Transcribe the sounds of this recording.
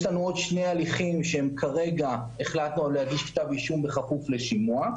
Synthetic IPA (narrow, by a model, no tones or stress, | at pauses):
ʃlanuo̞dʃne̞jaliχimʃeemkʰaʁe̞ɡa | e̞χlatnuadleadiʃki̥taviʃumbeχafufleʃimua